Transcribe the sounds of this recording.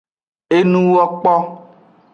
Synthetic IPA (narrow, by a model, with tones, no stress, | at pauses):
e˦nũ˦wɔ˦k͡pɔ˦